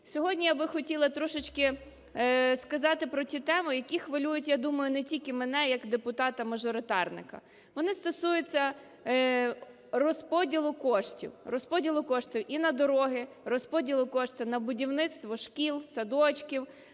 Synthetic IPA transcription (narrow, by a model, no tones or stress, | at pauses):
sʲɔɦɔdʲnʲijabɪxɔtʲilˠɐt̪ɾɔʃɪt͡ʃkɪ | skɐzɑt̪ɪpɾɔtʲit̪ɛmʊjɐkʲixʋɐlʲujʊtʲjad̪umɐjʊnɛtʲilʲkɪmenɛjɐkd̪epʊt̪ɑt̪ɐmɐʒɔɾɪt̪ɑrnɪ̰kɐ̰ | ʋɔnɪst̪ɔsujet͡sʲːɐ | rɔspɔdʲilˠʊkɔʃtʲḭwrɔspɔdʲilˠʊkɔʃtʲiwʔinɐd̪ɔɾɔɦɪ | rɔspɔdʲilˠʊkɔʃt̪ɪnɐbʊdʲiwnɪt̪st̪ʋɔʃkʲilˠsɐd̪ɔt͡ʃkʲiw